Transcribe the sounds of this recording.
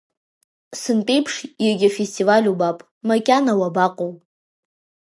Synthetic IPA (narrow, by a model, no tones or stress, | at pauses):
sɨnpʼe̞jpʰʂjaɡʲafestʼivalʲubapʼ | makʲʼanawabaqʼow